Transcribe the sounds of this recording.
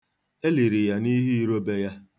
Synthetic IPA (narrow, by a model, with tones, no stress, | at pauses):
e˦li˨ɾi˨ja˦ni˦ɦi˦i˦ɾo˦be˦ja˦